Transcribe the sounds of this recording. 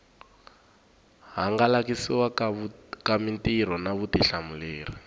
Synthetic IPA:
ɦaŋɡalakisiwa | kamintʼiɾ̤ɔnaβutiɬamuleːri

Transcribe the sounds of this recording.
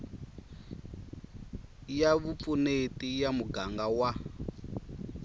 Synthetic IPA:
jaβup̪funetʼijamuɡaŋɡawa

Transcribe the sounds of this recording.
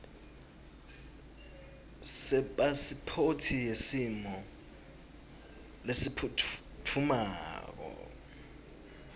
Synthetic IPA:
sɛɓasipʰotʰijesimɔ | lesipʰu | tʰumaːk̬ɔ̰

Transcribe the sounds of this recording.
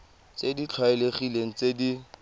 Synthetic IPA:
t͡sedit͡ɬʰwaɪleχileŋ̩t͡sedi

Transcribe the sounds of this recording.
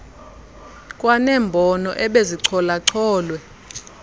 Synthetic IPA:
kʼwanɛːmbʱɔnɔ̰ʔɛɓeziǀʰɔlaǀʰɔːlwɛ

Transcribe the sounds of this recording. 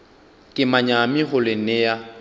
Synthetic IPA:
kʼɪmaɲamɪχʊlenɪja

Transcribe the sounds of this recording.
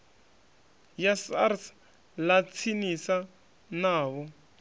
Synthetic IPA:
jasa̰rs | lat͡sʰinisa | naːβɔ

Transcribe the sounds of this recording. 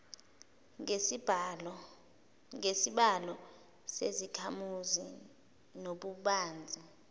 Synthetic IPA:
ŋesiɓalɔ | sezikʰamuzi | noɓuɓaːnd͡zʱi

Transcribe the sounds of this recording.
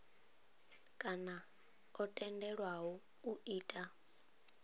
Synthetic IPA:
kʼana | ɔtʼɛndɛɺwaɦɔ | uiːtʼa

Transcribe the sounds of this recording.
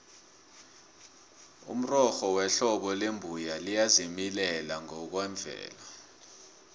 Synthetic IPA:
ṵm̩rɔxɔwɛɬɔɓɔlembʱujalijazimilɛlaŋɔk̬wɛɱvʱɛ̰ːla

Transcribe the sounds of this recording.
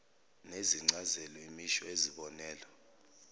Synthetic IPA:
neziŋ͡ǀazɛlɔimiʃɔeziɓɔnɛːlɔ

